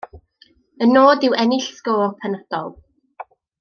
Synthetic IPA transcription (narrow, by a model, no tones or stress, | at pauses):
ənoːdɪwʔɛnɪɬskoːpʰanəd̥ɔ̰lˠ